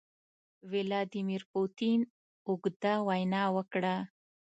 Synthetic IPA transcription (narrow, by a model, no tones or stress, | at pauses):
wɪlɑd̪imiɾput̪in | ʊɡd̪awajnɑwəkɽa